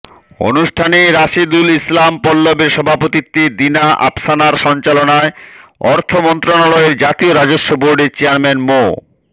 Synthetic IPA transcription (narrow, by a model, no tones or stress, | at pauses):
o̰nuʃʈʰaneɾaʃid̪ulislampɔlːobeɾʃɔbʱapot̪it̪ːid̪inaʔa̰bsanaɾʃɔnt͡ɕalonaeɔɾt̪ʰomɔnt̪ɾonalɔeɾd͡ʑat̪ioɾad͡ʑoʃːoboɾɖeɾt͡ɕeaɾmenmo